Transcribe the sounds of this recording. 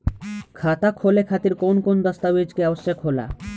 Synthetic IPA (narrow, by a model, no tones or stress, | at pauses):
kʰat̪akʰolekʰat̪iɾkonkond̪ɔst̪abed͡ʑkeaboʃːekʰola̰